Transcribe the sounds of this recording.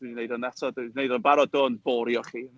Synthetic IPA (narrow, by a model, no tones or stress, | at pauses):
d̥widinejdɔnɛtʰɔdwidinejdɔnbaɾɔdoːnboːɾjɔχiːn